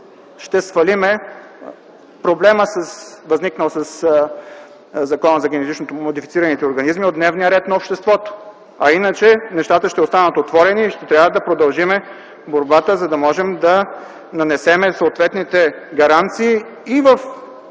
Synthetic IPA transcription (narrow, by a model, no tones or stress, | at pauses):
ʃt̪ɛsfɐlimɛ | pɾoblɛməsəsvɐzniknəlˠsɐs | zɐkɔnəzɐɡʲɛnɛt̪it͡ʃnot̪omod̪ifit̪siɾɐnit̪ɛoɾɡɐnizmiod̪d̪nɛvnijəɾɛt̪nɐopʃt̪ɛst̪vɔt̪o̥ | ɐinət͡ʃɛnɛʃt̪at̪əʃt̪ɛost̪anət̪ot̪vɔɾɛniːʃt̪ɛt̪ɾjavəd̪ɐpɾod̪ɐlˠʒimɛ | boɾbat̪əzɐd̪ɐmɔʒɛmd̪ɐ | nɐnɛsɛmɛsoːt̪vɛt̪nit̪ɛɡɐɾant̪siː | vəf